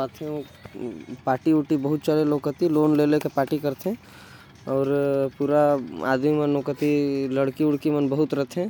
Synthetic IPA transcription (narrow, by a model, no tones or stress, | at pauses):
aːt̪ʰɦɛ̃o | paːʈiʊʈibɐɦʊt̪t͡ʃaːɾeloːkət̪iloːnleːlekepaːʈikɐɾt̪eɛ̃ | ɔːɾpuːɾaa̰ːd̪mimənoːkət̪iləɽkiʊɽkimənbəɦʊt̪ɾɐt̪ʰɦɛ̃